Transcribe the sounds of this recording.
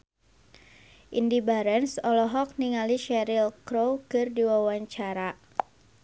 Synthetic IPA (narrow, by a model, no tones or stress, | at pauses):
ʔḭndibaɾɛnsɔlɔɦɔk̚niŋaliʃɛɾilkɾowkɨrdiwawaɲt͡ʃaɾa